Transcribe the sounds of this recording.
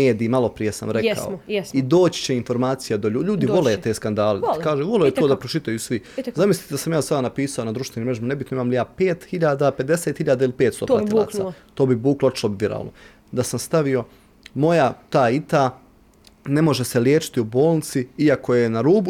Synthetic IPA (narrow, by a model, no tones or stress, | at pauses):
eːd̪iːmalˠo̞pɾije̞sa̰mɾeka̰oid̪o̞ːt͡ɕi̥t͡ɕeinfo̞ɾmaːt̪sijed̪oʎuːʎuːd̪io̞let̪e̞ːskand̪aːleakaːʒeʋo̞loet̪oːd̪apɾot͡ʃit̪ajusʋizamislit̪ed̪asamjaːsad̪anapiːsaonad̪ɾuʃt̪ʋenimɾeʒimanebit̪noimaːmlijaːpe̞ːt̪hiʎaːd̪ape̞d̪e̞set̪hiʎaːd̪ailipe̞ːt̪st̪o̰ːɾa̰iːt̪a̰t̪o̞ːbibuːkloot͡ʃlobʋiɾa̰ːlno̰ | d̪asamst̪aʋijo̞ | mo̞jat̪aːit̪a | ne̞mo̞ʒe̞seljeːt͡ʃi̥t̪iubo̞ːlˠnit̪siiako̞je̞naɾuːbu